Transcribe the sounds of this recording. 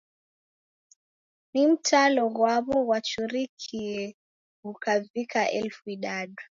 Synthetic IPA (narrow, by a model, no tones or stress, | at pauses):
nim̩tʰalɔɣwaβɔɣwat͡ʃuɾikʰiɛ | ukavikaʔɛ̰lfuiɗaɗu